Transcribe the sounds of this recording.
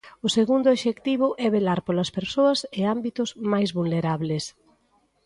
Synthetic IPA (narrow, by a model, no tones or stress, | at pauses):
ʊseɣund̪ʊoʃekt̪iβ̞ʊʔɛβelaɾpolɐspeɾsoɐsɪambit̪ʊzmajzβulneɾaβles